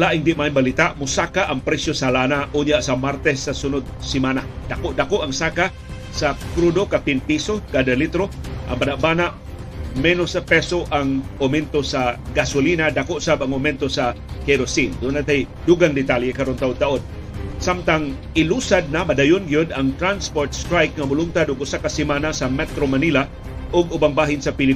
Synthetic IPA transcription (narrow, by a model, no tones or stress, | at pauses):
laʔiŋbiʔmainbalit̪aʔmusakaʔaŋpɾɛsjosalanauɲaʔsamart̪ɛsasunʊt̪̚simanahdakoʔdakoʔaŋsaka | sakɾudokapinpisokadalit̪ɾoa̰mbanaʔbanaʔ | menʊsapɛsoʔaŋomɛnt̪osaɡasʊlinad̪akoʔsabaŋomɛnt̪osa | keɾosind̪ʊnat̪ajd̪uɡaŋd̪ɪt̪aljekaɾont̪aʔʊd̪t̪aʔod̪ | samt̪aŋ | ɪlusad̪̚namadajʊnɡijod̪aŋt̪ɾanspoɾt̪st̪ɾajk̚ŋamʊlʊŋt̪ad̪ʊɡʊsakasimanasamɛt̪ɾomanila | ʔʊɡʊbaŋbaɦɪnsapilɪ